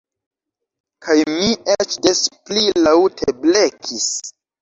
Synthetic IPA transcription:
kʰajmiet͡ʃdesplilawtʰeblekʰis

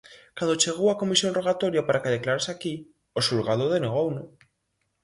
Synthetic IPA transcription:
kand̪ot͡ʃe̞ɣ̞owako̞misjo̞nro̞ɣ̞at̪o̞ɾjapaɾakeðeklaɾesaki | osulɣað̞oðeneɣ̞owno

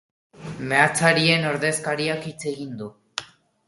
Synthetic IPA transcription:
me̞at͡saɾie̞no̞ɾðe̞skaɾiakit͡se̞ɣind̪u

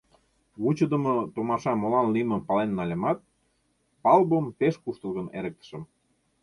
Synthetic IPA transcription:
βut͡ɕə̆d̪ə̆mɤ̆t̪omɑʃɑmolɑnlimə̆pɑlenːɑlʲəmɑt̪̚ | pɑlbəmpeʃkuʃt̪ə̆lɣə̆nḛɾə̆k̚t̪ə̥̆ʃə̆m

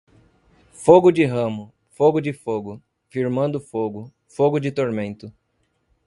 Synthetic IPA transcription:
foɡʊd͡ʒɪɦɐ̃mʊ | foɡʊd͡ʒɪfoɡʊ | fiɾmɐ̃nd̪ʊfoɡʊ | foɡʊd͡ʒɪt̪oɾmẽnt̪ʊ

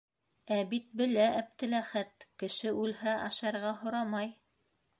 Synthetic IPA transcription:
æbit̪̚bɘ̆læʔæp̚t̪ɘ̆læχæt̪kɘ̆ʃɘʉlhæʔɑʃɑɾʁɑɦŏɾɑmɑj

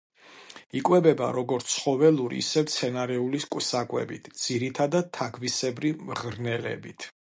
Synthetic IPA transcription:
ikʼwɛbɛba̰ɾɔɡɔɾt̪sʰχɔvɛluɾḭːsɛvt̪sʰɛnaɾɛuliskʼwsakʼwɛ̰bit̪ʰd̪z̥iɾit̪ʰad̪ad̪̚t̪ʰaɡʰvisɛbɾimʁɾnɛlɛ̰bit̪ʰ

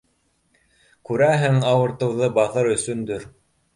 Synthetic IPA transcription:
kʉɾæɦɘŋɑwɤ̆ɾt̪ɤ̆wðɤbɑθɤɾɵ̆sɵ̆nd̪ɵɾ

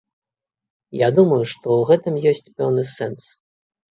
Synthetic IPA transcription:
jad̪umɐjuʂt̪ɔuɣɛt̪ɨmjɔsʲt͡sʲpɛwnɨsɛns

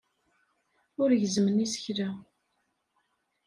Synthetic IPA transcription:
ʊɾʝəzmənisə̥çɾa

